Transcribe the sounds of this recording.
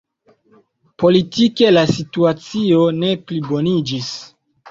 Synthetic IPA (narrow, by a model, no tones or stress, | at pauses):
po̞litike̞lasituat͡sio̞ne̞plibo̞nid͡ʒis